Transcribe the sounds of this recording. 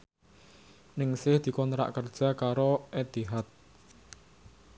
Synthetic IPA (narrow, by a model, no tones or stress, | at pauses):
nɪŋsɪhd̪̥i̤kɔnt̪ɾa̰ʔkərd̥ʒ̥a̤kaɾoʔed̪iɦat̪̚